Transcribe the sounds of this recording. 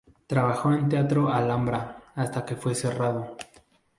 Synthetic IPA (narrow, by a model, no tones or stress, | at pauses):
t̪ɾaβaxo̞ent̪eat̪ɾo̞alambɾaast̪akefwe̞se̞raðo̞